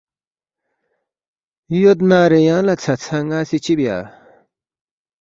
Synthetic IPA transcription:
jot̪̚naɾejaŋlat͡sʰat͡sʰaŋasit͡ɕʰipja̰

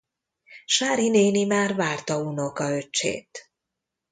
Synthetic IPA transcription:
ʃaːɾineːnimaːrvaːrt̪ɒuno̞kɒø̞t͡ʃːḛːt̪

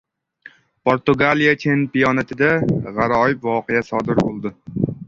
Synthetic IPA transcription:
pʰoɾt̪ʊɡalijat͡ʃʰenpijɒnat̪ʰɪd̪aʁɑɾɒɪpvɒqejasɒd̪ɪɾbolˠd̪ɪ

